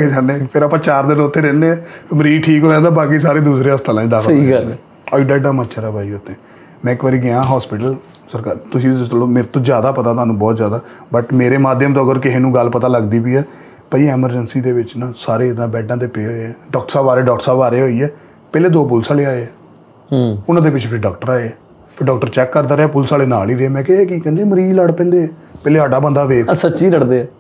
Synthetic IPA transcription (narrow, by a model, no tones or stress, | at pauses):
ked͡ʒãːnepʰɪɾaːpãːt͡ʃaːɾd̪ɪnʊt̪ʰːeːɾeːnːeːɛːməɾiːʈʰiːkɦoːd͡ʒãːd̪aːbaːk̬iːs̬aːɾeːd̪uːsɾeːəst̪aːlãːid̪aːkʰːd̪eː | əiɖɛːɖaːmãːt͡ʃʰəɾaːbʱaːiot̪ʰːẽː | mɛ̃ːɪkʋaːɾiːɡɪãːɦɔːspɪʈəl | səɾkaːt̪ʊsĩːst̪əloːmeːɾet̪õːd͡ʒjaːd̪aːpət̪aːt̪ʊɦaːnũːbɔːt̪zjaːd̪aː | bəʈmeːɾeːmaːd̪jəmt̪oːɡəɾkɪɦeːnũːɡəlpət̪aːləɡd̪iːbiːɛː | pəiːɛːməɾd͡ʒənsiːd̪eːʋɪt͡ʃnaːsaːɾeːɪd̪ãːbɛːɖãːd̪eːpeːɦoːeɛːɖɔːk̚ʈəsaːbaːɾeːɖɔːk̚ʈəɾsaːbaːɾeːɦoːiːɛː | pɛːleːd̪oːpʊlsaːleːaːeɛː | ʊnãːd̪eːp̬ɪt͡ʃʰeːpʰɪɾɖɔːk̚ʈəɾaːeːɛː | pʰɪɖɔːkʈəɾt͡ʃɛːkːəɾd̪aːɾeaːpʊlsaːleːnaːliːɾeɛːmɛ̃ːkɛekiːkɛ̃nd̪eːməɾiːləɽpɛ̃ːnd̪eːpɛːleːɦaːɖaːbə̃nd̪aːʋeːksətːʃiːləɽd̪eːɛː